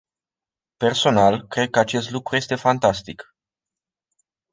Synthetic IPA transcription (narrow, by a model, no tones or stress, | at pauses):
pe̞rso̞nalkɾe̞d̪̚kəat͡ʃe̞st̪lukɾuje̞st̪e̞fant̪ast̪ik